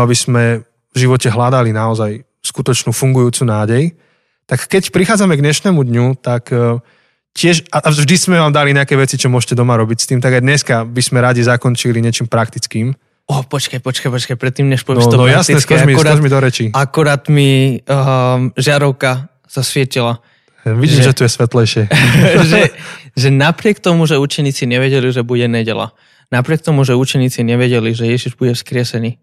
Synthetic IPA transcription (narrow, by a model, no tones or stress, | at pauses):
abismɛ | vʒiʋɔcɛɦlad̪alinaɔzaj | skut̪ɔt͡ʃnuːfuŋɡujuːt͡suːnaːɟɛj | t̪akːɛcpɾixaːd͡zamɛɡɲɛʃnɛmud̪ɲut̪ak | cɪɛʃaʔaʒd̪ismɛʋaːmd̪aliɲɛakɛːʋɛt͡sit͡ʃɔmʊɔʃcɛd̪ɔmaɾɔbicst̪iːmt̪aɡajd̪ɲɛskabizmɛɾaɟizakɔnt͡ʃiliɲɪɛt͡ʃiːmpɾakt̪it͡skiːm | ɔpɔt͡ʃkajpɔt͡ʃkajpɔt͡ʃkajpɾɛt̪ːiːmɲɛʃpɔʋɛnɔst̪nɔajast̪inɛskamikɾaaʒmid̪ɔɾɛt͡ʃiakuɾaːt̪mi | ʒɪaɾɔʊka | sasʋɪɛcila | ʋiʒɟiːmʒɛt̪ujɛsʋɛt̪lɛjʃɪɛʒɛʒɛnapɾɪɛkt̪ɔmuʒɛuːt͡ʃɛɲiːt͡siɲɛʋɛɟɛliʒɛbuɟɛɲɛɟɛla̰ | napɾɪɛk̚t̪ɔmuʒɛut͡ʃɛɲiːt͡siɲɛʋɛɟɛliʒɛjɛʒiʒbuɟɛfskɾɪɛsɛniː